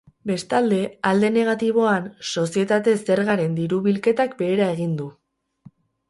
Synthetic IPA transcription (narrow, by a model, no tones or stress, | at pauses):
be̞st̪ald̪e̞ald̪e̞ne̞ɣ̞at̪iβ̞o̞anso̞sie̞t̪at̪e̞se̞ɾɣaɾe̞nd̪iɾuβilke̞t̪akbe̞ːɾae̞ɣ̞ind̪u